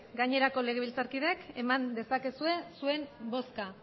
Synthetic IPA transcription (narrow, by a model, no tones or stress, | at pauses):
ɡaɲe̞ɾako̞le̞ɣe̞β̞ilt͡saɾkiðe̞ke̞mand̪e̞sake̞sue̞sue̞mbo̞ska